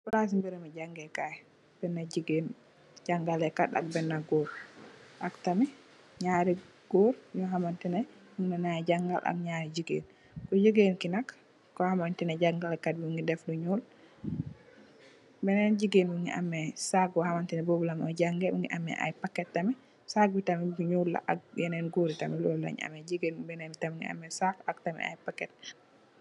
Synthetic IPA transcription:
bulas̬imbiɾɛmad͡ʒaŋɡɛkaj | b̥ɛnːad͡ʒiɡen | d͡ʒaŋɡalɛkaɗa̰k̚bɛnːaɡɔɾʔaktamɛ | ɲaɾi | ɡ̥ɔɾjɔɦamantɛnɛ | miŋnanajd͡ʒaŋɡa̰lʔa̰k̚ɲaɾid͡ʒiɡḛn | kɔd͡ʒiɡenkinakː | ɔhamantɛnɛd͡ʒaŋɡalɛkad̚biŋɡidɛfduɲul | bɛnɛnɟiɡenmuŋɡḭʔa̰mːɛsak̚bɔhamantinɛbobulamɔɟaŋɡɛmuŋɡḭʔamːɛ̰ʔa̰jpakːɛtːɐmɛ | sak̚bitamɛbuɲuːlːa̰ʔak̚jɛnɛnɡoːɾitamɛlɔlːa̰ɲa̰mɛd͡ʒiɡeːnubɛnɛbitamɛŋɡḭa̰mːɛsakak̚tamɛ̰a̰jpakːɛt̚

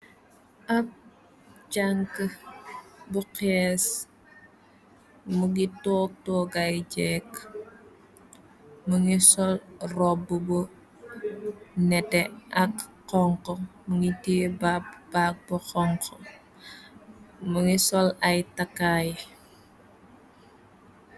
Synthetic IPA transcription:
ʔɐp̚ | d͡ʒaŋkə | buqɛs | muɡitɔːk̚tɔːɡɐjd͡ʒɛk | məŋisɔlrɔbːəbu | nɛtɛʔɐkqɔŋkɔməŋitiːbab̥ak̚bɔxɔŋkɔ | məŋisɔlɐjtakːaj

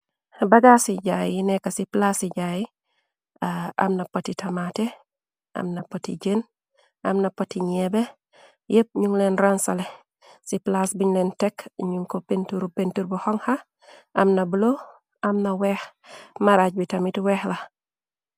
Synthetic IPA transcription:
baɡasiɟajinɛkasiplasiɟaji | aa̰mnapotitʰɐmate | ɐ̰mnɐpotiɟen | amnɐpotiɲebe | jəp̚ɲuŋlenɾansale | siplasbiɲlentɛkɲuŋkopentuɾpentuɾbuhɔŋha | ʔɐmnɐbulo | amnawɛːxmaɾaɟ̚bitɐmitwɛxla

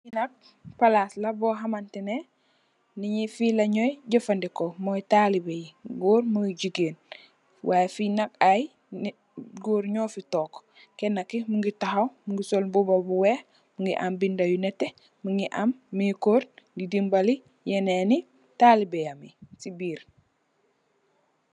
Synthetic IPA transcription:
jinɐk̚ | palaslabɔːɦamantene | niɲifilɐɲɔjɟɐfandikomɔjtalibejiɡoːɾmuŋɡiɟiɡeːn | wajfinakaj | ɡoːɾɲɔːfitɔːk | kenːakimuŋɡitaɦawmuŋɡisolbubabuwe | muŋɡiʔa̰mbindajunetːe | muŋɡiʔamːikoːɾɡidimbali | jeneni | talibejamḭsibiːɾ

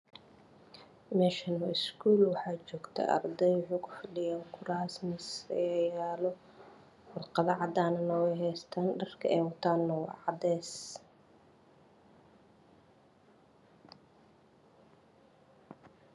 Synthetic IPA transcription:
mɛːʃɐnɐskʰuːlwɑħɑːt͡ʃɔːɡt̪ʰɛ̰ʔɐ̰rd̪ɛjʊħʊkʰʊfɐɖɪjaːŋkʰʊɾaːsmɪsjaːlɔ | wɑrqɑβɑʕɑd̪aːnɐnɔwɛɦɛːst̪ʰaːnɖɐrkʰɐʔɛːwɐt̪ʰaːnːɔw̰ʕɑd̪ɛːs

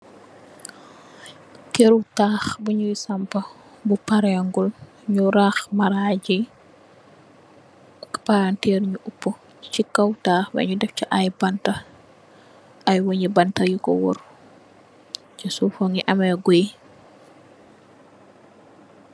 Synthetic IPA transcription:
keɾutaːxbuɲujsɐmpɐ | bupaɾɛŋɡul | ɲuɾaːxmaɾaɟi | kpaɾantɛɾɲuʔupːu | t͡ʃikːɐwtaːxwɐ̰ɲudɛft͡ʃiʔajbɐntɐ | ɐjwoɲibɐntɐjukɔ̰wɔ̰ɾ | t͡ʃisufoŋiʔɐmɛɡoj

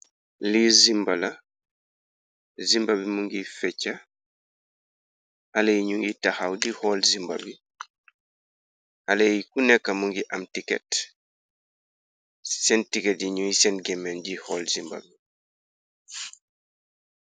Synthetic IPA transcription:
lizimbala | zimbabimuŋɡifɛt͡ʃːa | halajiɲuŋɡitahawdihɔlzimba̰bi | halajikunɛkːamuŋɡiʔamtikɛ̰t | sɛntikɛtiɲuŋjisɛnɡɛmɛnd͡ʒihɔlzimba̰bi

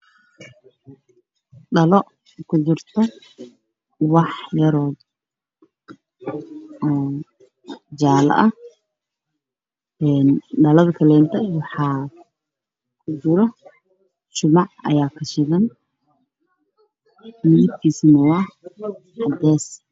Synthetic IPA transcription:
ɗɐlɔ | kʰʊd̪ʊrt̪ʰɐ | wɑħjɐɾɔːd | ɔː | d͡ʒaːlɐ̰ʔɐ | ɛːnɖɐlɐðkʰɐlɛːnt̪ʰɐwɑħɑː | kʰʊd͡ʒɪɾɐ | t͡ʃʊmɑʕɐ̰jaːkʰɐʃɪɣɐn | miːt̪kʰiːsnɐwɑ | ħɑd̪ɛːs

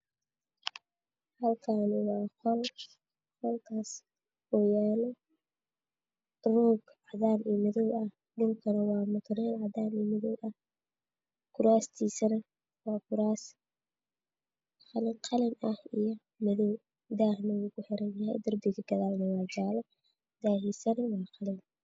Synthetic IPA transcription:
hɐlkʰaːnɪwɑːqɔl | χɔlkʰaːs | wɛjaːnɛ | ruːɡ | aðaːmiːmɐðɔwɐh | dɪŋkʰɐnɐwɑːmʊt̪ʰɐɾɛlʕɑðaːmiːmɐðɔwʔɐh | kʰʊɾaːst̪ʰiːsɐnɐ | wɑːkʰʊɾaːs | qɑlɪŋqʰɑlɪnɐhijɔ | mɐðɔw | d̪aːhnɐwuːkʰʊħɛɾɛnjɐhɛ̰jd̪ɐrbɪkɐɡ̥ɐðaːlnɐwɑːd͡ʒaːlɛ | d̪̥aːhiːsɐnɐwɑːqɑlɪn

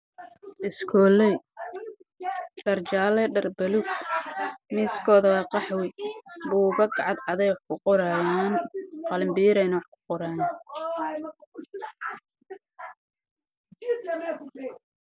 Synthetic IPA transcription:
ɪskʰɔːlɛj | ɖ̥ɐrt͡ʃaːlɛɖɐrbɐlʊɡ̚ | miːskʰɔːðɐwɑːqɑħwɪbuːɣɐɡɑʕɑd̪ʕɑðɛjwɑħkʰʊqɔɾajaːnqɑlɪmbiːɾɛjnɐwɑħkʰʊ̥qɔɾaːn

